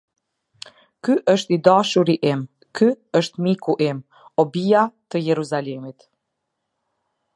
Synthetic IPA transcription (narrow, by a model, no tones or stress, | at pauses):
kyʔəʃt̪id̪aʃuɾiʔim | kʰyəʃt̪mikuʔim | ɔbijat̪əjɛɾuzalɛmit̪